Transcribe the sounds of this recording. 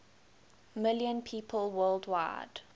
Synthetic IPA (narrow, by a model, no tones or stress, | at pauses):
mɪljə̃npʰiːpʰəlˠwɜːlˠdwa̰ɪd̥